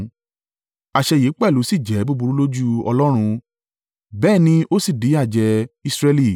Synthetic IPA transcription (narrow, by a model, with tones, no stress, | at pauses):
a˨ʃɛ˧jeː˨˦k͡pɛ˦˨lu˨˦si˦˨d͡ʒɛ˨˦bu˦bu˧ɾu˦lo˦d͡ʒu˦ɔ̰˧lɔ˦ɾ̃ũ˧ | bɛː˦˨nĩ˧ʔo˦si˦˨di˨˦a˦˨d͡ʒɛ˧i˦˧sɾɛ˧li˦˨